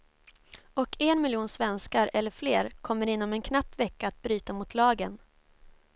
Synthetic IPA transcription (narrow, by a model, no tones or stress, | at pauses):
ɔkʰɛnmɪljuːnsvɛnskaɾɛlːəɾfleːɾkʰɔmːəɾɪnːɔmɛnkʰnapːvɛkːaːt̪̚bɾyːt̪amʊt̪ʰlɑːɡən